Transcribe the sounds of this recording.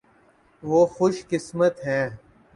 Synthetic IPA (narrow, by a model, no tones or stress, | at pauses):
ʋoːxʊʃkɪsmət̪ɦɛː